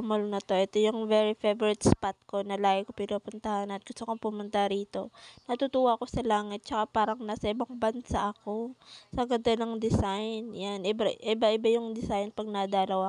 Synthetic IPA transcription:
molnɐt̪o̞ʔɛt̪ojʊŋvɛɹifɛvɛɾɪt̪̚spat̪̚ko̞nɐlaːɡɪkopɪnɐpʊnt̪ɐhanɐt̪̚ɡ̥ʊst̪okopʊmʊnt̪aɾiːt̪o̞nɐt̪ut̪uːwɐko̞sɐlaːŋɪt̪̚t͡ʃɐkapaːɾɐŋnaːsɐʔɪbaŋbɐnsaʔɐko̞sɐɡɐd̪onɐŋd̪ɪsajnjanʔɪbaʔɪbaʔɪbajʊŋd̪ɪsajnpɐɡ̚nɐd̪ɐlɐwa

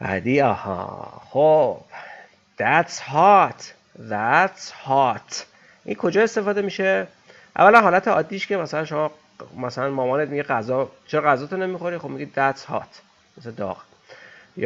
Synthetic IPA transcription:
bæ̰d̪iɒ̰hɒ̰χob̥ | d̪̥æshɒt̪ʰ | dæt̪shɒt̪ʰ | ʔinkʰo̞d͡ʒɒːe̞st̪efɒːd̪e̞miːʃe | ʔæ̰vːælænɦɒːlæt̪ʰeɒ̰ːd̪ːiːʃcemæsælænʃo̞mɒ | mæsælænmɒːmɒːnet̪̚miɟeɢæzɒːt͡ʃʰeɾɒɣæzɒːt̪ʰonemixoɾixob̥miɟid̪æshɒ̰ːt̪ʰ | mesed̪ɒ̰ːʁ | j

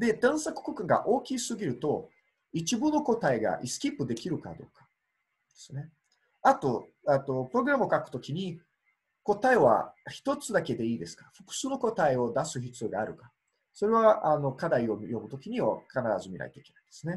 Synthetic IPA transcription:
d̪e̞d̪ãɰ̃sakɯ̟̥kokɯ̟̃ŋɡa̰ʔo̞ːkʲiːsɨɡʲiɾɯ̟t̪o̞ | it͡ɕibɯno̞ko̞t̪aeɡa̰ʔisɨ̥kʲipːɯ̟d̪e̞kʲiɾɯ̟ka̰d̪o̞̰ːkḁ | d̪e̥sɨne̞ | at̪o̞ | et̪o̞pɯɾo̞ɡɯ̟ɾamɯokakɯ̟t̪o̞kʲiɲ̟i | ko̞t̪aeβa̰çi̥t̪o̞t͡sɨd̪ake̞d̪e̞iːd̪e̞sɨ̥kḁɸɯ̥kɯ̟̥sɨːno̞ko̞t̪aeo̞d̪asɨçit͡sɨjoɡaːɾɯ̟kḁ | so̞ɾe̞β̞aʔano̞kad̪aio̞mjobɯ̟t̪o̞kʲiɲ̟iβa̰kanaɾazɨmʲiɾa̰it̪o̞ike̞naĩd̪esɨne̞

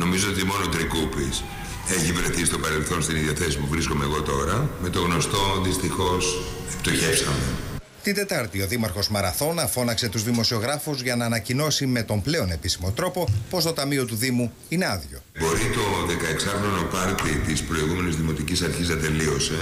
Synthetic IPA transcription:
no̞mizoot̪imo̞notd̪ɾikupis | eçivɾeθisi̥t̪o̞pɐɾe̞lθo̞nst̪iniðiɐθe̞sisipuvɾisko̞me̞ːɣo̞t̪o̞ɾɐme̞t̪o̞ɣno̞st̪o̞nðist̪ixo̞s | ept̪oçe̞fsɐme | t̪ind̪e̞t̪ɐɾt̪io̞ðimɐɾxo̞zmɐɾɐθo̞nɐfo̞nɐkse̞t̪uzðimo̞sio̞ɣɾɐfuzʝɐnɐːnɐcino̞sime̞t̪o̞mple̞o̞ne̞pisimo̞t̪ɾo̞po̞po̞st̪o̞t̪ɐmio̞t̪uðimu | ine̞ɐðʝo̞̰bo̞ɾit̪o̞ðe̞kɐeksɐpɾono̞pɐɾt̪it̪ispɾo̞iɣume̞nizðimo̞t̪icisɐɾçiznɐt̪e̞lio̞se̞

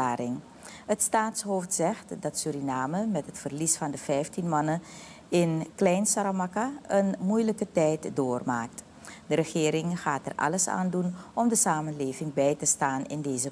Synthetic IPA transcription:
aːɾɪŋ | ɦətstaːtsɦowftsɛχtdɑtsyɾinaːməmɛtɦətfərlisfɑndəv̥ɛjftinmɑnə | ɪnklɛjnsaɾamɑkaənmujləkətɛjtdoːrma̰ːk̚t | dəɾəχɪːɾɪŋχaːtɛ̰rʔɑ̰ləsa̰ːndunʔɔmdəsaːmənleːvɪŋbɛjtəstaːnɪ̰ndejzə

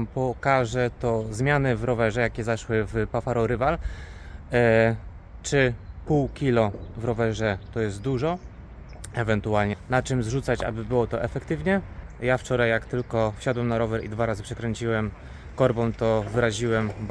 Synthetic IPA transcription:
mpɔkaʐɛt̪ɔzmʲjanɘvɾɔvɛʐɛjakʲɛzaʂwɘvpafaɾɔɾɘval | t͡ʂɘpuwkʲilɔvɾɔvɛʐɛt̪ɔjɛst̪̚d̪uʐɔ | ɛvɛnt̪ualɲɛnat͡ʂɘmzʐut̪sat͡ɕa̰bɘbɘwɔt̪ɔʔɛfɛkt̪ɘvɲɛ | jaft͡ʂɔɾajːakt̪ɘlkɔfɕad̪wɛmnaɾɔvɛɾḭd̪vaɾazɘpʂɛkɾɛɲt͡ɕiwɛm | kɔɾbɔ̃w̃t̪ɔvɘɾaʑiwɛm

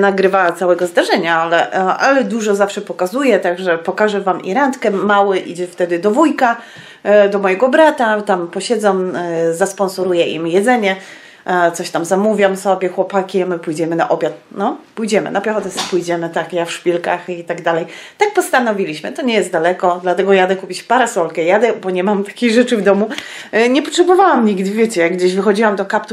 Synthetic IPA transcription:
naɡɾɘvat̪sawɛɡɔzd̪aʐɛɲaalɛʔa̰lɛd̪uʐɔzafʂɛpɔkazujɛt̪aɡʐɛpɔkaʐɛvamʔḭɾant̪kɛmawɛʔḭd͡ʑɛft̪ɛd̪ɘd̪ɔvujka | d̪ɔmɔjɛɡɔbɾat̪at̪ampɔɕɛd̪zɔmzaspɔ̃nsɔɾujɛʔḭmjɛd̪zɛɲɛ | t̪sɔɕt̪amzamuvʲjamsɔbʲjɛxwɔpakʲiamɘpujd͡ʑɛmɘna̰ʔɔbʲjat̪̚nɔpujd͡ʑɛmɘ̰napjɛxɔt̪ɛspujd͡ʑɛmɘt̪akjafʂpʲilkaxit̪aɡd̪alɛjt̪ak̚pɔst̪anɔvʲilʲiɕmɘt̪ɔɲɛjɛst̪d̪alɛkɔd̪lat̪ɛɡɔjad̪ɛkupʲit͡ɕpaɾɛsɔlkɛjad̪ɛbɔɲɛmamt̪ḁkʲiɣʐɛt͡ʂɘvd̪ɔmu | ɲɛpɔtʂɛbɔvawamɲiɡd̪vʲjet͡ɕɛjaɡɡd͡ʑeɕvɘxɔd͡ʑiwamd̪ɔkapt̪u

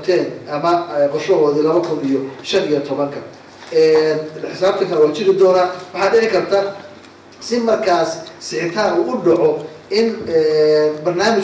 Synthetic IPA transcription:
t̪ʰɛːnʔɐmɐɛqɔrʃɔɦɔːðɪlɐβɐkʰʊnijɔʃɐnijɔt̪ʰɔβɐŋkʰɐ | ɛːħɪsaːb̚t̪ʰɐkʰɐlɛwaːt͡ʃɪɾɪd̪ɔːnaːwɑħɑːɖɪʕɪkʰɐrt̪ʰa | sɪmɐrkʰaːsːɪħɪt̪ʰaːnuːʔʊɖɑʕɔ | ɪnɛːbɐrnaːmɪ

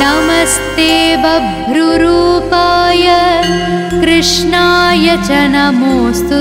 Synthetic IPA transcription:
ɐmɐst̪eːbɐbʱɾuɾuːpaːjɐ | kɾɨʂɳaːjɐt͡ʃɐnɐmoːst̪u

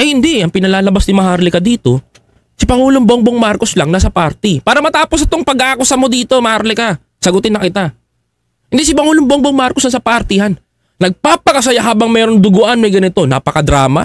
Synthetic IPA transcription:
ʔɐjhɪnd̪iʔɐŋpɪnɐlaːlɐbasnɪmɐɦaɾlɪkɐd̪iːt̪o̞ | sɪpɐŋuːloŋboŋboŋmaɾko̞slaŋnasɐpaɾt̪ɪpaːɾɐmɐt̪aːposɐt̪oŋpɐɡʔaːkʊsɐmo̞d̪iːt̪o̞mɐhaɾlɛka | sɐɡʊt̪ɪnɐkɪt̪a | hɪnd̪isɪpɐŋuːlomboŋboŋmaɾkosnɐsɐpaʔɐɾt̪ɪjanː | ɐɡ̚paːpɐkɐs̬ɐjaɦaːbɐŋmɛːɾoŋd̪ʊɡʊʔanmɐjɡɐnɪt̪o̞na̰ːpɐkɐd̪ɾaːmɐ̰

